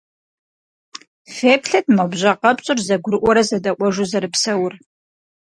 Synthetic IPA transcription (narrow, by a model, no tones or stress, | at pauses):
feːpɬɐtmɐbʑɐqɐpɕʼʊrzɐɡʷʊɾɨʔʷɔɾɐzɐdɐʔʷɔʒuzɐɾɨpsɐwʊr